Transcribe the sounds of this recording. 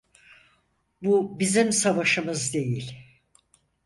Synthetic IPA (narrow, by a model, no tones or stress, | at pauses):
bubizimsavaʃɯmɯzd̪e̞jilʲ